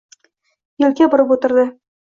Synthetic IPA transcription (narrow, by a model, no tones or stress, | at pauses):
jɵ̆lkʲæbŏɾɤput̪ɤ̆ɾd̪ɤ